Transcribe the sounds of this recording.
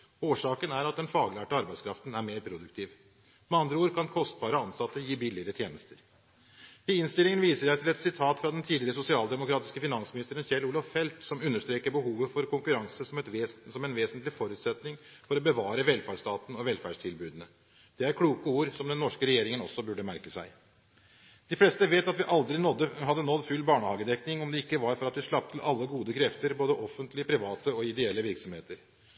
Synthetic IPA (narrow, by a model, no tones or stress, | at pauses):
oːʂɑːkənæɾɑt̪̚d̪ɛnfɑːɡlæːʈəɑɾbæɪskʰɾɑft̪næɾmeːɾpʰɾʊd̪ʉk̚t̪ʰiːʋ | mɛɑnd̪ɾəuːɾkʰɑnkʰɔst̪̚bɑːɾəɑnsɑt̪ːəjiːbɪlɪəɾət̪ʰjeːnəst̪ʰəɾ | ɪɪnst̪ɪlɪŋənʋiːsəæɪt̪ʰɪlɛt̪sɪt̪ʰɑːt̪fɾɑd̪ɛnt̪ʰiːd̪lɪɾəsʊsɪɑːld̪ɛmʊkʰɾɑːt̪ɪskəfɪnɑnsmɪnɪst̪əɾənçɛluːlɑʋfɛlt̪sɔmʉnːəʂt̪ɾeːkəɾbəɦuːʋəfɔɾkʰʊŋkʉɾɑŋsəsɔmɛt̪ːsɔmɛnʋeːsənt̪lɪfɔɾʉːt̪sɛt̪nɪŋfɔɾɔbəʋɑːɾəʋɛlfæɖʂt̪ɑːt̪n̩ɔʋɛlfæʂʈʰɪlbʉːd̪ənə | d̪̥ɛæɾkʰɽuːkəuːɾsɔmd̪ɛnːɔʂkəɾɛjeːɾɪŋənɔsːɔbʉɖːəmæɾkəsæ̰ɪ | d̪̥ɪflɛst̪əʋeːt̪ɑt̪ʋɪʔɑld̪ɾɪnɔd̪ːəhɑd̪ːənɔd̪fʉlbɑːɳəhɑːɡəd̪ɛknɪŋɔmd̪ɛɪkːəʋɑɾfɔɾɑt̪ʋɪʂɭɑp̚t̪ʰlʔɑlːəɡuːd̪əkʰɾɛft̪əɾboːd̪əʔɔfənt̪lɪəpʰɾɪʋɑːt̪əɔɪd̪ɛɛlːəʋɪɾksɔmheːt̪əɾ